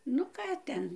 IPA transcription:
ˈnʊ ˈkɑː tʲɛn

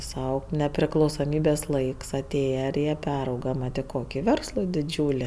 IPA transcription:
ˈsɐʊ nʲɛpʲrʲɪklˠɐʊsoːˈmʲiːbʲeːs ˈlˠɐɪks ɐˈtʲeːjɛ ɪr ˈjiɛ ˈpʲæːrɐʊɡɐ ˈmɐt ɪ ˈkoːkʲɪ ˈʋʲɛrslˠoː dʲɪˈd͡ʒʲuːlʲɪ

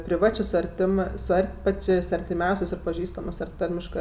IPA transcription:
pʲrʲɪˈʋɑːt͡ʃʲeː sʊ ɐrʲˈtʲɪmɜ sʊ ˈɐrʲtʲ ˈpɑːt͡ʃʲeːsʲ ɐrʲtʲɪˈmʲɛʊsʲeːsʲ ɐr pɐˈʒʲiːstɐmɜs ɐr ˈtɐrʲmʲɪʃkɜ

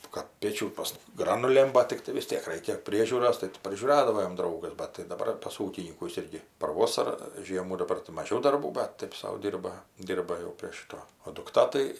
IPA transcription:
kɐt ˈpʲeːt͡ʃʲuː pɐs ˈɡrɑːnʊlʲeːm ˈbɐt tʲɪkˈtɐɪ ʋʲɪs ˈtʲiɛk ˈrʲɛɪkʲɛ ˈpʲrʲiɛʒʲuːroːs tɐɪ ˈtʲɪ pʲrʲɪʒʲuːˈrɑːdɐʋoː jɛm ˈdrɐʊɡɐs bɐt tɐɪ dɐˈbɐr pɐs ˈuːkʲɪnʲiːkʊs ˈɪrʲɡʲɪ pɐr ˈʋoːsɐrɐ ˈʒʲiɛmuː dɐˈbɐr tɐɪ mɐˈʒʲɛʊ dɐrˈbuː bɐt ˈtɐɪp sɐʊ ˈdʲiːrbɐ ˈdʲiːrbɐ jɛʊ pʲrʲiɛ ˈʃʲɪtoː oː dʊkˈtɐ tɐɪ

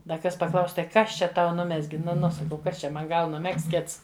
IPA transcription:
dɐ ˈkɐs pɐˈklˠɐʊs tɐɪ ˈkɐs t͡ʃʲɛ ˈtɐʊ ˈnʊmʲɛzʲɡʲɪ nʊ ˈnʊ sɐˈkɐʊ ˈkɐs t͡ʃʲɛ ˈmɐn ˈɡɐlˠ nʊˈmʲɛkst ˈkʲɪts

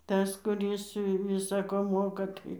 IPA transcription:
ˈtɐs kʊˈrʲɪs ˈʋʲɪsɐ koː ˈmoːkɐ ˈtɐɪ

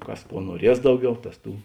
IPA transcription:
ˈkɐs ˈkuɔ nuɔˈrʲiɛs ˈdɐʊˌɡʲɛʊ ˈtɐs ˈtuː

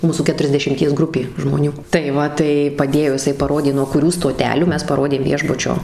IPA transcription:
ˈmuːsuː kʲɛtʊrʲɛzʲdʲɛʃʲɪmʲˈtʲiɛs ˈɡrʊpʲeː ʒmoːˈnʲuː tɐɪ ˈʋɐ tɐɪ pɐˈdʲeːjoː jɪˈsɐɪ pɐˈroːdʲeː nuɔ kʊˈrʲuː stoːˈtʲæːlʲuː ˈmʲɛs pɐˈroːdʲeːm ˈʋʲiɛʒbʊt͡ʃʲoː

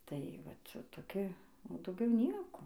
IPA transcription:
tɐɪ ˈʋɐt toːˈkʲɪ oː dɐʊˈɡʲɛʊ ˈnʲiɛkoː

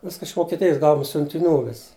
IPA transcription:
ˈʋʲɪskɐ ɪʃ ʋoːkʲiɛˈtʲɪjɪs ˈɡɐʊɔm sʲʊnʲtʲɪˈnʲuː ˈʋʲɪs

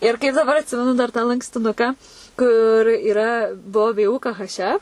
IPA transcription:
ɪr kɐɪp dɐˈbɐr ɐtʲˈsʲɪmʲɛnʊ dɐr tɑː lˠɐŋksʲtʲɪˈnʊkɑː kʊr iːˈrɐ ˈbuɔ ˈʋʲeː ˈuː ˈkɐ ˈɣɐʃ ˈɛf

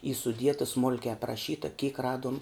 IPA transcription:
iː sʊˈdʲiɛtɐ ˈsmʊlʲkʲɛɪ ɐprɐˈʃʲiːtɐ kʲiːk ˈrɑːduɔm

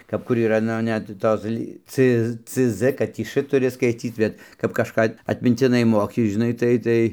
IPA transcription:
kɐp ˈkʊr iːˈrɐ ˈnʊ ˈnʲɛt ˈtoːs lʲiː t͡s t͡ss kɐt ˈtʲiː ʃ tʊˈrʲɪ skɐɪˈtʲiːt bʲɛt kɐp kɐʃˈkɑː ɐtʲmʲɪnʲtʲɪˈnɐɪ ˈmoːkʲɪ ʒʲɪˈnɐɪ ˈtɐɪ ˈtɐɪ

